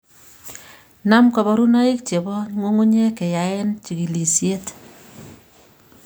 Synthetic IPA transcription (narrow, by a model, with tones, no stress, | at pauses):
na˦mka˨bɔ˦ɾu˦na˦i˦k̚t͡ʃe˨bɔ˦ŋo˦ŋu˦ɲe˦ke˨ja˨e˦nt͡ʃi˨ki˨li˨sje˦t